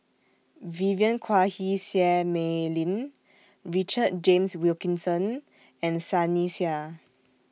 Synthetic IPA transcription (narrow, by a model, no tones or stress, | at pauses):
viviə̃nkʰwahisiɛmelĩn | ɹit͡ʃəd̚d͡ʒẽmswilkĩnsə̃n | ɛ̃nsanisia